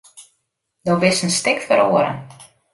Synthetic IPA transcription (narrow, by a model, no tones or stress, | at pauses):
dɔbɪsənstɪkfəɾoːəɾə̰n